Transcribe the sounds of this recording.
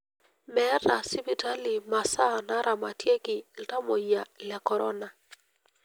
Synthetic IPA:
mɛ˦ɾa˨si˦bi˦˨ta˦li˨ma˨sa˦˨na˦ɾʔa˨ma˨tje˦kɪ˨lta˦mo˨ja˨lɛ˨kɔ˨ɾɔ̰˦na˨

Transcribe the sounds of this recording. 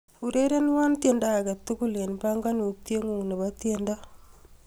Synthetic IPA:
u˨ɾe˦ɾe˦n˦wa˦nt̪je˨nda˦˨ɡa˨t̪ːu˦ku˦le˨npa˦ŋɡa˦nu˨t̪je˦ŋu˨ne˨βa˦t̪je˦nda˦

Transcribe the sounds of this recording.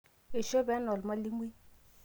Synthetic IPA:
e˨ʃo˦bɛ˨˦nɔ˨lma˦li˦ŋwi˦

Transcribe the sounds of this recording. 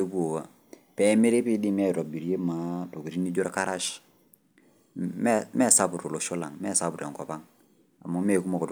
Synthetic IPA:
e˦bu˦o˨wa˨ | pɛ˦me˦ɾe˦pi˦di˦mɛ˦˨ɾɔ˨bi˨ɾje˦ma˨to˨ku˨ɾi˦ni˦d͡ʒo˦ɾka˦ɾa˦ʃ | mɛ˦mɛ˦sa˦pu˨ɾo˨lo˨ʃo˦la̰˨ŋmɛ˦sa˦pu˨ɾe˨ŋkɔ˨pa˦ŋ | a̰˨mu˦me˦˨ku˦ma˨ko˨t

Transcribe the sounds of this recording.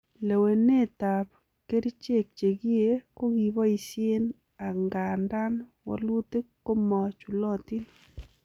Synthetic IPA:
le˨we˨nːe˦˨ta˨p̚ | ke˦ɾi˦t͡ʃe˦˨k̚t͡ʃe˨ɡi˦e˦ko˦ɡi˨bɔ˦i˨sje˦n | a˨ŋɡa˨nda˦nwɔ̰˨lwʊ˦t̪e˦ko˦mɔ˨t͡ʃu˨lɔ˦ti˦

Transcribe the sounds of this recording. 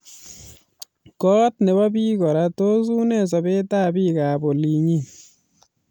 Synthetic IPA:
kɔ˦tne˨ba˦bi˦kɔ˨ɾa˦to˦su˦ne˦s̬ɔ˨be˦ta˦bi˦kaː˨bo˨li˨ɲi˦

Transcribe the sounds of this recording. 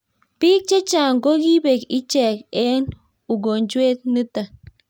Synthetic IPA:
pi˦k̚t͡ʃe˦t͡ʃa˨ŋ˨ɡo˦ɡi˦be˨ki˦t͡ʃɛ˨ke˦n | u˨ɡo˨nd͡ʒwe˦t̪̚nɨ˦ta˨

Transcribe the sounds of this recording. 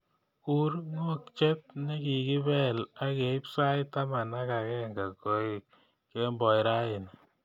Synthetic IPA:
u˦rŋo˦kt͡ʃe˦t̚nɪ˦ki˨ki˦βɛ˦la˦ke˨ɪ˦psa˦jta˦ma˨na˦ka˨kɛ˦ŋɡa˨ko˨ɪ˨kː | e˦mbɔ˨jɾa˦ɪ˨n

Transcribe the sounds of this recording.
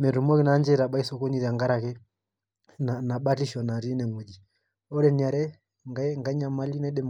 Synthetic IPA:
mɛ˨ɾu˨mɔ˦ki˦na˦nd͡ʒɛ˦ɾa˨ɓa˦i˦sɔ˦kɔ˦ni˦ɾi˨a˨ŋɡa˦ɾa˨kɛ˦ | nana˨ɓa˦ti˦ʃɔ˨na˨ɾi˦nɛ˨mu˨d͡ʒi˨ | ɔ˦ɾɛni˨a˨ɾɛ | ŋɡa˦ŋɡa˦ɲa˨ma˦li˦nɛɗɛ˦m

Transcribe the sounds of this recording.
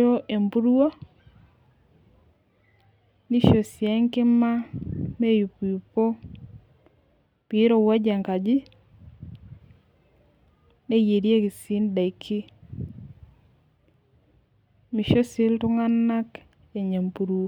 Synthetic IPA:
o˦ʔe˨mpu˦ɾu˦o˦ | ni˦ʃo˨sjɛ˦ŋkɪ˦ma˦me˦ju˨pju˨po˦ | pi˨˦ɾo˨wa˦d͡ʒa˨ŋka˨d͡ʒi˦ | ne˦je˨ɾje˦ki˨si˦nda˨i˨kʰi˦ | mi˨ʃo˦sɪ˦ltʊ˦ŋa˦nːa˦k | ɛ˨ɲe˨mpu˨ɾuo˦

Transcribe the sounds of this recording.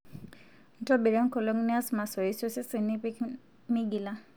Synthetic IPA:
n̩˦tɔ˦bi˨ɾa˦ŋkɔ˨lɔ˦ŋni˦a˦sma˨sɔ˨isɔ˦sɛ˦si˨ni˦pi˦k | mi˦ɡi˨la

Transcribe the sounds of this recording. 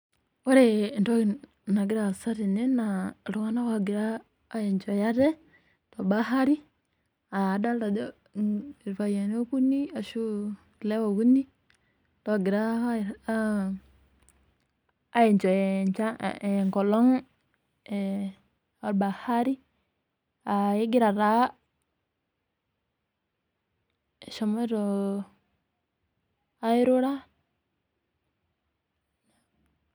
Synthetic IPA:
wa˦ɾe˨nto˦˨ | na˨ɡi˦ɾa˨sa˦ɾi˨ne˦na˨ɾu˨wa˦na˦wa˨ɡi˨ɾaː˦ | je˨nt͡ʃo˨ja˦de˦ | to˨ba˦ɦa˦ɾi˦ | a˨da˦a˨do˦˨ | ɾfa˨je˨n˦o˦ku˦ni˦a˨ʃu˦ | ki˨le˦wo˨ku˦ni˦ | to˦˨ɡi˨ɾa˦˨˦ | a˦je˨nt͡ʃo˨e˨nt͡ʃa̰˦˨ŋko˨lo˦ŋ˨ | a˨ɾba˨ha˦ɾi˦ | a˨je˦ɡi˦ɾa˨ɾa˨˦˨ | ʃo˨mo˦ɾo˨˦ | i˦ɾo˦ɾa˦˨

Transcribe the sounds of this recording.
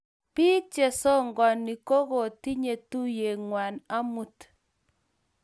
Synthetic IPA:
pi˦t͡ʃe˨sɔ˦ŋɡɔ˨ni˨ko˦ɣo˨ti˦ɲe˨tu˦je˨ŋwa˨na˦mu˦t

